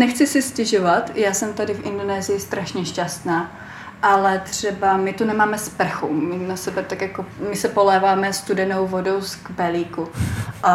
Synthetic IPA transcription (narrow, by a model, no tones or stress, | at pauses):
nɛxt͡sɪsɪscɛʒovat̪jaːsɛmt̪adɪfʔɪndo̞nɛːzɪjɪst̪ɾaʃɲɛʃcast̪naː | ʔalɛt̪r̝̥ɛbamɪt̪unɛmaːmɛspr̩xumɪnasɛbɛt̪akjakomɪsɛpolɛːvaːmɛst̪udɛno̞wvodowsɡbɛliːkuʔa